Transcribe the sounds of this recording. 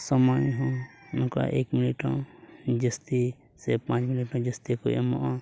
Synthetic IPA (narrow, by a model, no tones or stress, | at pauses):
sɔmajɦɔ̃nɔka̰ʔekminiʈɔ̃d͡ʒəst̪i | sɛpãt͡ʃminiʈɔ̃d͡ʒəst̪ikuɛ̰mɔ̰ʔã